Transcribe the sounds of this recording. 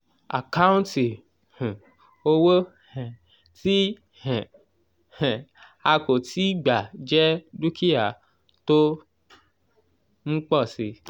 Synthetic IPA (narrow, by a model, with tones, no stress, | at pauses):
a̰˨ka˦ũ˦nti˨ | h̩˨ | o˧wo˦ | hɛ̃˨ | tĩ˦˨ | ɛ̃˨ | a˧ko˨ti˨˦i˦ɡ͡ba˨d͡ʒɛ˦lu˦kʰi˦a˨ | to˦ | m̩̃˦k͡pɔ˦˨si˧